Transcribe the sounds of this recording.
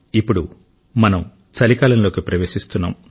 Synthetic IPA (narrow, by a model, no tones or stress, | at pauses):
ipːuɽu | mɐnɐm | t͡ʃɐlikaːlɐmlo̞ːkipɾɐʋe̞ːʃist̪unːa̰ːm